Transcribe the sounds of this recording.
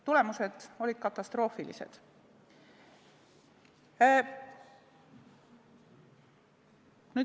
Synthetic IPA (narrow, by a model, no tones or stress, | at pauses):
t̪ule̞muse̞d̪̥o̞lʲid̪̥kɑt̪ːˑɑst̪ro̞ːfilḭsḛd̪̥ | nyː